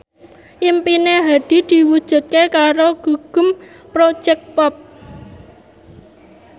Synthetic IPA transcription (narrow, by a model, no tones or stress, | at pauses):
ʔimpineɦad̪̥i̤d̪̥i̤wud̥ʒ̥ṳt̪̚kekaɾoɡ̥ṳɡ̥ʊ̤m | pɾo̥ʒ̥ɛk̚pɔp̚